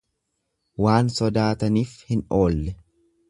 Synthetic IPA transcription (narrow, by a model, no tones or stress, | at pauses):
waːnsɔd̪aːt̪ɐniːfhɪno̞ːlːɛ